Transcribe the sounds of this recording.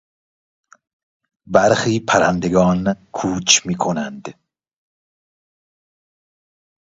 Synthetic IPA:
bæɾxiːpʰæɾænd̪eɡɒːnkʰuːt͡ʃmiːkʰonænd̪

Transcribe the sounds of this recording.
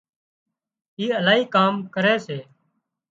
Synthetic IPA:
iːəlaːɦiːkaːmkəɾeːseː

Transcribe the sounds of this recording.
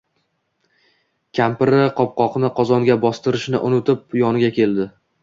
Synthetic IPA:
kʲʰampɪɾɪqʰɒp̚qɒqnɪqʰɒzɒŋɡʲabɒst̪ɪɾɪʃnɪ̰ʔʊnɪt̪ʰɪp̚jɒnɪɡʲakʲʰe̞ld̪ɪ

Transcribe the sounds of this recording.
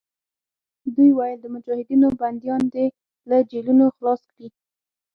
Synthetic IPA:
d̪ujwajəld̪əmʊd͡ʒɑhɪd̪inoband̪jɑnd̪e | lad͡ʒelunoxlɑskɽi

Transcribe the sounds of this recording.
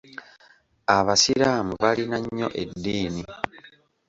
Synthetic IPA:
aβasiɾaːmuβalinaɲːo̞̰ʔe̞dːiːni

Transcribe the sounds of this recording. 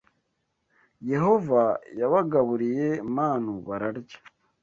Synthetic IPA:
je̞ho̞vajaβaɡaβuɾije̞maːnuβaɾaɾɟḁ

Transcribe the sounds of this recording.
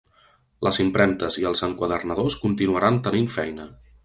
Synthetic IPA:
ləzimpɾɛmt̪əziəlˠzəŋkwəðərnəðoskunt̪inuəɾant̪əniɱfɛjnə

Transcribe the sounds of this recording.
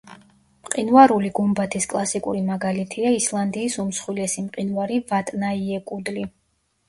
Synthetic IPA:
mqʼinvaɾuliɡumbat̪ʰiskʼlˠasikʼṵɾimaɡalit̪ʰiaislˠand̪iːsumsχwilɛsimqʼinvaɾivat̪ʼnaiɛkʼud̪li

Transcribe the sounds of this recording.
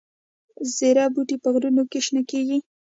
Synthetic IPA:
zeɾɑbuʈipəɣɾunokeʃnakeɡi

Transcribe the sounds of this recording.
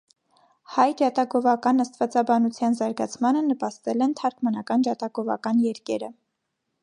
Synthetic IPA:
hɑjd͡ʒɑt̪ɑɡɔvɑkɑnəst̪vɑt͡sɑbɑnut͡sʰjɑnzɑɾɡɑt͡sʰmɑnənəpɑst̪ɛlɛnt̪ʰɑɾkʰmɑnɑkɑnd͡ʒɑt̪ɑɡɔvɑ̰kɑnjɛɾkɛɾə

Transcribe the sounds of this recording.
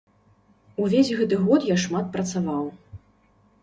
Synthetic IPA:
uvʲesʲɣɛt̪ɨɣɔt̪jaʂmat̪̚pɾɐt̪savaw

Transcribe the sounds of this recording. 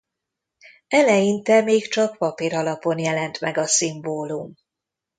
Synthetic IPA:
ɛlɛjint̪ɛmeːkt͡ʃɒkpɒpiːɾɒlɒpo̞njɛlɛnt̪mɛɡɒsimboːlum

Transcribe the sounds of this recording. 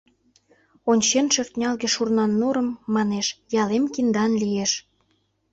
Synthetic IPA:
onʲt͡ɕenʃøft̪nʲɑlɣĕʃurnɑnːuɾə̆mːɑneʃjɑlemkind̪ɑnlijeʃ

